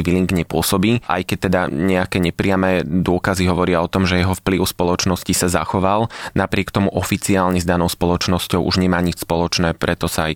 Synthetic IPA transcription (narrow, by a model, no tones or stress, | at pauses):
ʋiliŋɡɲɛpʊɔsɔbiːʔa̰jkɛc̚t̪ɛd̪aɲɛakɛːɲɛpɾɪamɛːd̪ʊɔkaziɦɔʋɔɾɪaɔt̪ɔmʒɛjɛɦɔfpliʊspɔlɔt͡ʃnɔscisaza̰xɔʋalnapɾɪɛkt̪ɔmuʔɔfit͡siaːlɲɛzd̪anɔʊspɔlɔt͡ʃnɔscɔʊʔuʒɲɛmaːɲit͡ʃspɔlɔt͡ʃnɛːpɾʔɛt̪ɔsaj